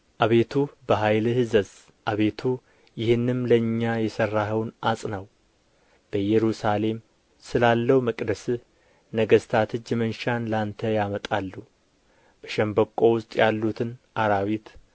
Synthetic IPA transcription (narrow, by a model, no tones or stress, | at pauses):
ʔaβe̞t̪ʰubəɦajlɨhɨzəz | ʔaβe̞t̪ʰu | jɪhɨnːɨmləɨɲːajɛsərːaɦəwnasʼnəw | b̥əjɛɾusale̞m | sɨlalːəwuməkʼd̪əsɨ | nəɡəst̪ʰat̪ʰɨd͡ʒmənʃanlant̪ʰəjamət̪ʼalːu | b̥əʃɛmbəkʼːo̞wʊst̪ʼjalːut̪ʰɨnʔaɾawit̪